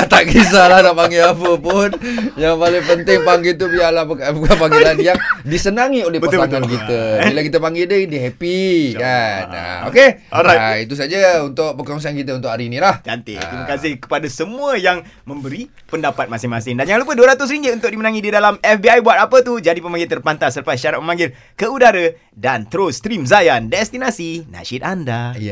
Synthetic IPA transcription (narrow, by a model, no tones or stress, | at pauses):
at̪aʔkisalahnaʔpaŋɡilapəpʊnjaŋpalepənt̪ɪŋpaŋɡilt̪ubialapəkapukapaŋɡilanjaŋdisənaŋiolehbəaaŋankit̪əilakit̪əpaŋɡildədiɦɛpikana̰o̰keɔɾajit̪usad͡ʒəunt̪ʊʔ̚pəkɔŋs̬ankit̪əunt̪ʊʔaɾiːnĩlaht̪a̰nt̪ɪ̰t̪ɾimakasɪhkə̥padasəmũəjaŋ | mə̃mbəɾi | pəndapat̪̚masɪmasɪndanjaŋlupəduəɾat̪ʊs̬ɾiɲd͡ʒiunt̪ʊk̚dimənaŋididalamɛfbiajbuat̪̚apət̪ud͡ʒadipəmaŋɡɪlt̪ərpant̪asːəɾəpaisʃaɾat̪̚məmãŋɡɪl | kəudaɾə | dant̪əɾost̪ɾimzajandɛst̪inasinã̰ʃit̪̚andaj